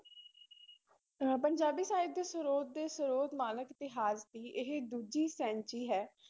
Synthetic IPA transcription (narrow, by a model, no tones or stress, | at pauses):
pəɲd͡ʒaːbiːsaːɪb̚d̪eːsəɾoːt̪̚d̪eːsəɾoːt̪maːnəkɪt̪ɪɦaːzt̪iːʔɪɦed̪uːd͡ʒiːsɛ̃ːɲt͡ʃiːɦɛː